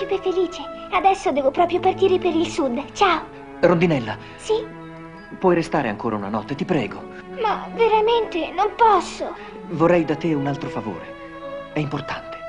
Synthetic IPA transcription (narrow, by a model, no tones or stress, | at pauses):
sipefeliːt͡ʃead̪ɛsːod̪ɛːvopɾɔːpɾjopart̪iːɾepeɾilsud̪t͡ʃaːo | ɾond̪inɛlːa | si | pwɔjɾest̪aːɾeaŋkoːɾʔauna̰nɔt̪ːet̪ipɾɛːɡo | maveɾament̪enompɔsːo | vorɛjd̪at̪ːeunalt̪ɾofavo̰ːɾe | ɛimport̪ant̪e̥